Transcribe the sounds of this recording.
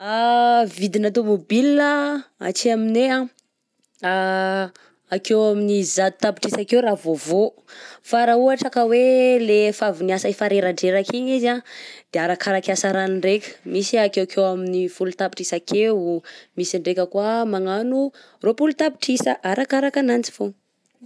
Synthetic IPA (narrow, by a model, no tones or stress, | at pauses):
avid̪inat̪̬omobilaa̰t͡ʃiaminea | a | akewaminizad̪u̥t̪api̥ʈ͡ʂisakewɾavovo | faɾauaʈ͡ʂakəwelefaviniasaifaɾeɾaɳɖ͡ʐeɾakiɲizad̪̥eaɾakʰaɾakasaɾaniɳɖ͡ʐekʲə̥misiakewakʰewaminifulut̪api̥ʈ͡ʂisakewmisiɳɖ͡ʐekʲəkwamaŋanu | ropulut̪api̥ʈ͡ʂisəʔaɾakaɾakanant͡si̥vo